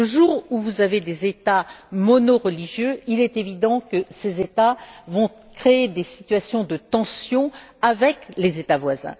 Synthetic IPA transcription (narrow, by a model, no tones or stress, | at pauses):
ləʒuʁuvuzaved̪ezet̪amɔnɔʁəliʒjøilɛt̪evid̪ɑ̃kəsezet̪avɔ̃ | kχeːd̪esi̥t̪ɥasjɔ̃d̪ət̪ɑ̃sjɔ̃avɛklezet̪avwazɛ̰̃